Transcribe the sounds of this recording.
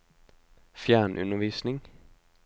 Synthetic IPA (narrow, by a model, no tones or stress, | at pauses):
fjæːɳʔʉ̰nəʋiːsnɪŋ